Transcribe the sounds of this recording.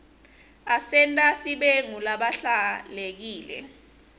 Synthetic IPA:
asɛntʼasiɓeŋulaɓaɬalek̬iːlɛ̰

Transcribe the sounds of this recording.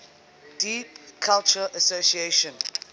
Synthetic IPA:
d̥iːpkʰalt͡ʃəʔəsosieʃə̃n

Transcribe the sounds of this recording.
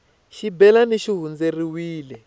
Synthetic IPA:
ʃibɛlaneʃiɦund͡zeriwiːlɛ

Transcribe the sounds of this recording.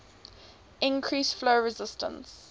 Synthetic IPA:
ɪ̃nkʰɹiːˑsfloʊɹɪzɪstə̰̃ns

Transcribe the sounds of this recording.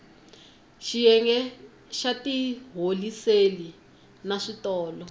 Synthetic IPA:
ʃijɛŋɡɛ | ʃatiɦoliseli | naʂitɔːlɔ

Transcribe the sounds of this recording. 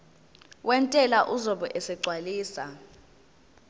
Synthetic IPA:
wʔɛntʼɛlaʔuzɔɓɔʔɛsɛɡ͡ǀʱwaliːsa̰

